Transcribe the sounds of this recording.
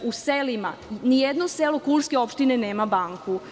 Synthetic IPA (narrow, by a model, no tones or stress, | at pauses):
uselima̰nijed̪noselokulskeo̞pʃt̪ineneːmabaŋkʰu